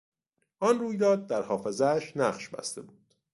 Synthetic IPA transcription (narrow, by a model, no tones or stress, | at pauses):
ʔɒnruːjd̪ɒːd̪̚ːæɾhɒːfe̞zææʃnæɢʃbæ̰st̪e̞̰buːd̪̥